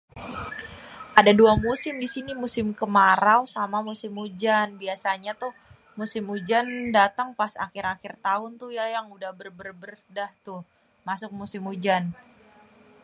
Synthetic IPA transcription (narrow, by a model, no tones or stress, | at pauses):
ʔadaduamusɪmdisinimusɪmkəmaɾawsamamusɪmud͡ʒanbiasaɲat̪ʊh | musɪmud͡ʒandat̪aŋpasaxɪɾakɪrt̪aʊnt̪ʊhjajaŋudahbərbərbərdaht̪ʊh | masʊk̚musɪmud͡ʒan